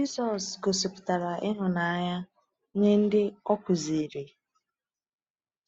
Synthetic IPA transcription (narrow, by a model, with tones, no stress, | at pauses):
d͡ʒi˦sɔ˨sɡo˨si˨pʊ̥˨ta˨ɾa˨ʔɪ˦ɦʊ˨na˨˦ɲa˦ | ɲe˦n̩˦dɪ˦ɔ˦kʷʊ˨zi˨ɾe˨